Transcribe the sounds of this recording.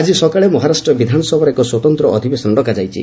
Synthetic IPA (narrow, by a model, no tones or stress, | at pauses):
ad͡ʒisɔkaɭemɔɦaɾasʈɾɔbid̪ʱanɔsɔbʱɔɾekɔswɔt̪ɔnt̪ɾɔʔɔd̪ʱibesɔnɖɔkad͡ʒajt͡ʃʰḭ